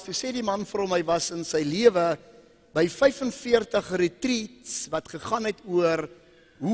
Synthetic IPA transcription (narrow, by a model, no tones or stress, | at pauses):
tusɛːdimɐnfəɾɦɔmɦəjvɐsənsəjliəvə | bəjfəjfənfiərtəχrətritsvɐtχəχɑːnɛtuər | ɦu